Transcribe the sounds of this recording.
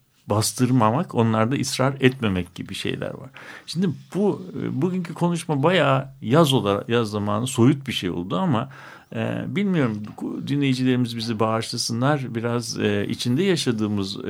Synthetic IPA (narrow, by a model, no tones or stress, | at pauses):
bast̪ʰɯɾmamakʰo̞nlˠaɾd̪aisɾaɾɛt̪me̞mɛcɟibiʃḛjlʲæ̰ɾva̰ɾ̥ʃind̪ibubuɟyɲcʰikʰo̞nuʃmabajaːjazo̞lˠaɾjazːamaːnɯso̞jut̪̚biʃejo̰lˠd̪uama | ɛ̰bilʲmijo̞ɾumd̪inʲe̞jid͡ʒilʲe̞ɾimizbizibaːʃlˠasɯnlˠaɾbiɾazḭt͡ʃʰind̪ɛjaʃad̪ɯːmɯz